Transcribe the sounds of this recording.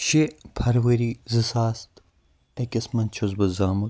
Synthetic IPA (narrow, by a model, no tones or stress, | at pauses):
ʃepʰɐɾwɐɾizɨsaːst̪ | ɐkʲɐsmɐnt͡ʃʰozbɐzaːmɐ